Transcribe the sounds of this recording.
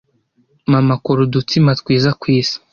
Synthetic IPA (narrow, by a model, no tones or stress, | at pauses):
mamakoɾudut͡simatkwiːzakwiːzi̥